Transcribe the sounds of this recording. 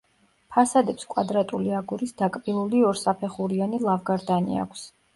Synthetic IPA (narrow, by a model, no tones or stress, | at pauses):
pʰasad̪ɛpskʼwad̪ɾat̪ʼuliaɡuɾisd̪akʼbilˠuliɔɾsapʰɛχuɾianilˠavɡaɾd̪anḭa̰kʷʰs